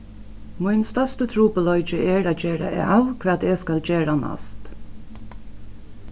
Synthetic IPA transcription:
mʊjnst̪œst̪ət̪ʰɾuːpəlɔʏt͡ʃəʔɛɹaːd͡ʒeːɾa̰aːʋkʰʋɛːt̪ɛskald͡ʒeːɾana̰st̪

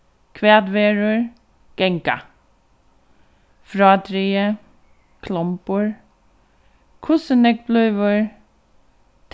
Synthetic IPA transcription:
kʰʋeːd̪ʋeːɹəɹ | ɡ̥ɛŋka̰ | fɾɑːd̪ɾiːə | kʰlɔmpəɹ | kʰʊsənɛk̚b̥lœːʋəɹ | t̪

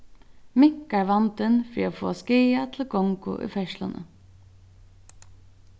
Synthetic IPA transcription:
mɪŋkaɹʋɑnt̪ənfɾḭːafoːskiːat̪ʰɪlkɔŋkʊ̰ʔʏ̰fɛʃlanə̰

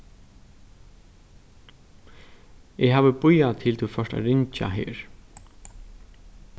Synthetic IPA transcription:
ɛɦaːʋəbʊjat̪ʰɪlt̪ʰufœʂʈa̰ɾɪɲt͡ʃa̰ɦḛːɹ

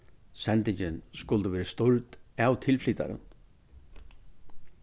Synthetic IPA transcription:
sɛnt̪ɪɲt͡ɕɪnskʊlt̪əʋɛːɾɪst̪ʊɾt̪awt̪ʰɪlfliːt̪a̰ɾə̰n

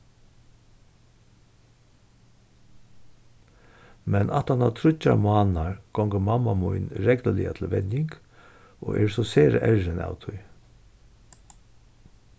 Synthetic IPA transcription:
mɛnʔat̪hanat̪ʰɾʊt͡ʃːamʊaːnaɹɡ̥ɔŋɡəmamamʊjnɾɛkləlɪːa̰t̪ʰɪlʋɛnjɪŋk | ɔ̰ːʔɛːɾsɔseːɾə̰ʔɛɹɪna̰wt̪ʰʊj

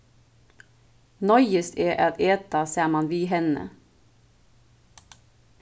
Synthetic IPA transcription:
nɔʏəst̪eːʔɑt̪eːt̪ɑsæːmɑnʋiːɦɛnə̰

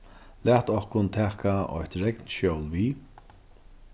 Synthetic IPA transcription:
læːht̪ɔhkʊnt̪ʰæːkaɔ̰jht̪ɾɛknʃowlviː

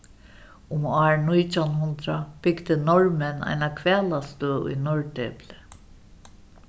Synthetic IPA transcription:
ʊmaːɹnujt̪ʰanɦʊnt̪ɾab̥ɪɡd̪ɪnɔɹmɛna̰jnakʰvɛːlast̪əʊ̰jnɔɹt̪ɛːplɪ

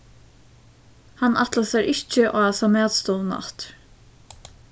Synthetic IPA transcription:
hanat̪lasɛɾɪht͡ʃɪʔaːsamɛːt̪st̪ɔlna̰ht̪

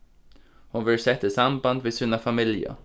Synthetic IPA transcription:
hʊnʋɪlsɛt̪ːəsamband̪ʋɪsʉnəfɑmɪljə̰

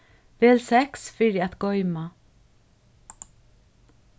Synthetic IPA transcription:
ʋeːlsɛksfɪɹɪæt̪ɡɔʏma

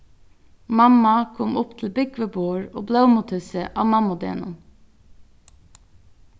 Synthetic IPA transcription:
mɑmɑkʰɔmʔʊpt̪ʰl̩bɪʏɡʋəbuːɹo̰ːbleːʊmʊt̪hʉsəʔɑːmɑmʊd̪ḛːnun

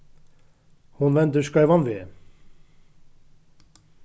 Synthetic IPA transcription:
hʊnʋɛnd̪ʉʃkɑɪʋɑnʋeː

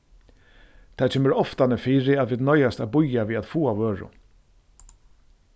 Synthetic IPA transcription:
t̪ʰasɛmɛɾɔft̪anəfiːɾɪat̪ʋiːd̪nɔjast̪abʊjaviːaðfuːavøːɹʊ̰

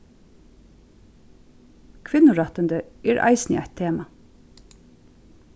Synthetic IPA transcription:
kʰʋɪnːʊɹɑt̪ənd̪əɛɹʔa̰ɪsnɪ̰ʔa̰jt̪ʰeːma

